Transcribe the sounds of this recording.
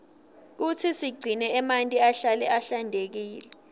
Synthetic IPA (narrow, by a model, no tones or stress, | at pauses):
k̬ut͡sʰisiɡ͡ǀʱinɛɛmantʼiaɬalɛʔaɬandʱek̬iːlɛ